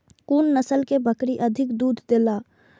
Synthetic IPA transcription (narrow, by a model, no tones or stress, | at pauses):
kuːnːəsəlkebʱəkɾiʔəd̪ʱɪkd̪uːd̪ʱd̪eːlaː